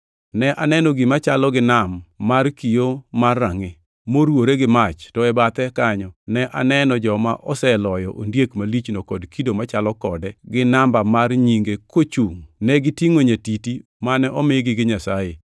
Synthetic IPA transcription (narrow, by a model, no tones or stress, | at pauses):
nɛʔanɛnɔɡɪmat͡ʃalɔɡɪnamːarkijomarːaŋɪ | moɾwoɾeɡɪmat͡ʃtɔɛbat̪ɛkaɲɔnɛʔa̰nɛnɔd͡ʒɔma̰ʔɔsɛlɔjɔʔondjekmalit͡ʃnokɔdkidomat͡ʃalɔkɔdɛɡɪnambamarɲiŋɡekot͡ʃuŋnɛɡɪtiŋoɲatiti | manɛʔɔmeɡɪɡɪɲasaje